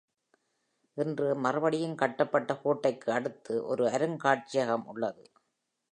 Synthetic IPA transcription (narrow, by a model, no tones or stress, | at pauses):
ʔɪndrɯmɐrɐʋɐɽɪjɯnkɐʈːɐpːɐʈːɐkoːʈːɐɪkːɯɐɽɯt̪ːɯʔɔ̰ɾɯɐɾɯŋkaːʈ̚t͡ʃɪjɐɣɐmʊ̰ɭːɐðɯ